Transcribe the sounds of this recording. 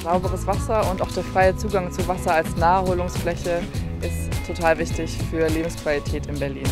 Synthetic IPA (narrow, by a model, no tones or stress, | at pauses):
z̥aʊbəʁəsv̥asɐʊntaʊxd̥eːɐfʁ̥aɪət͡suːɡaŋt͡suvasɐalsnaːəhoːlʊŋsflɛçə | ʔɪstʰːotʰaːlvɪçtɪçfyːɐleːbm̩skv̥alitʰɛːtɪnbɛɐliːn